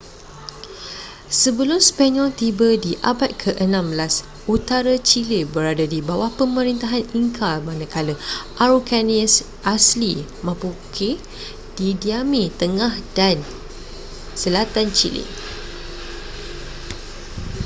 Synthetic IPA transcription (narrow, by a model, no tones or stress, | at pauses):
səbəlʊmspaɲɔlt̪ibədiʔa̰bat̪̚kʰəʔənãmbəlas | ut̪aɾat͡ʃilebəɾadadibawahpəməɾint̪aɦaniŋkʰalmãnəkaləʔaɾukaniəs | ʔaslimãpukʰe | d̥idiamĩt̪əŋahdan | səlat̪ant͡ʃilḭ